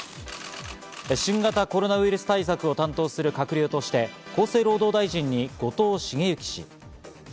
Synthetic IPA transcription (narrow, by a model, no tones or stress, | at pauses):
eɕĩŋɡat̪ako̞ɾo̞naβɯ̟iɾɯ̟sɨ̥t̪ais̬akɯ̟o̞t̪ãnt̪o̞ːsɨɾɯ̟kakɯ̟ɾʲjoːt̪o̞ɕi̥t̪e̞ko̞ːse̞ːɾo̞ːd̪o̞ːd̪aiʑĩɲ̟ːiɡ̥o̞t̪o̞ːɕiɡe̞jɯ̟kʲi̥ɕḭ